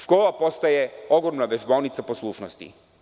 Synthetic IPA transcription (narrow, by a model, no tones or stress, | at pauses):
ʃkoːlapo̞st̪ajeo̞ɡɾomnaʋeʒbolnit̪saposlˠuːʃnost̪ḭ